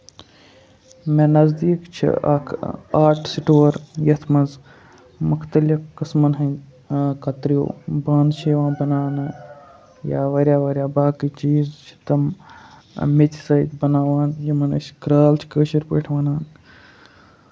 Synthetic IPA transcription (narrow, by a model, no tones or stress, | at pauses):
mẽnɐzd̪iːkt͡ʃʰḭɐ̰kʰaːʈʰsiʈoːɐɾjɐt̪ʰmɐnz | mʊkʰt̪ɐlikkɨsmɐnɦɐ | kɐt̪ɾijo̰ːbaːnʃeːʋãːnbɐnaːnɨ | jaːʋɐɾʲjaːʋɐɾʲjaːbaːkit͡ʃiːzt͡ʃʰi̥t̪ɐm | met̪sɐjt̪bɐnaːʋaːnjɐmɐnɐ̰ʃkɾaːlt͡ʃʰi̥kəːʃiɾpə̰ːʈʰʋɐnaːn